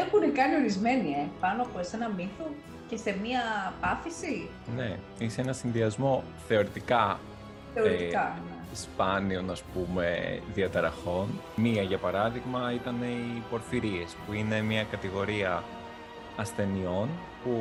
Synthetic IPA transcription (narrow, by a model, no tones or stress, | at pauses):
ɐpuinekɐnio̞ɾizme̞niepɐnoɐpoese̞nɐmiθu | ce̞se̞miɐpɐθisi | ne̞ | iseenɐsinðiɐzmo̞ | θe̞o̞ɾit̪ikɐ | θeoɾit̪ikɐespɐnio̞nɐspume̞̰ðiɐt̪ɐɾɐxo̞n | miɐʝɐpɐɾɐðiɣmɐit̪ɐne̞ipo̞ɾfiɾie̞spuine̞miɐkɐt̪iɣo̞ɾiɐ | ɐsθe̞nio̞n | pu